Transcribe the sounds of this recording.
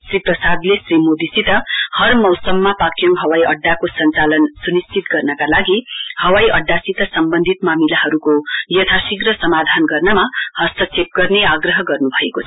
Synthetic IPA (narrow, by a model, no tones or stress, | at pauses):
sriprʌsad̪lesrimod̪isit̪ʌhʌrmʌwsʌmːapakjew̃ɦʌwajʔʌɖːakosʌnt͡salʌnsunist͡sit̪ɡʌrnʌkalaɡihʌwajʔʌɖːasit̪ʌsʌmbʌnd̪ʱit̪mamilaɦʌɾukojʌt̪ʰasiɡrʌsʌmad̪ʱanɡʌrnʌmahʌst̪ʌt͡sʰep̚ɡʌrneaɡrʌɦʌɡʌrnubʱʌekot͡sʰ